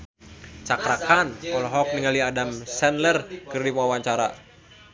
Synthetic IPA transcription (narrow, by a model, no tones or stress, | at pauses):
t͡ʃakɾakanɔlɦɔk̚niŋaliadamsɛnlərkɨrdimawaɲt͡ʃaɾa̰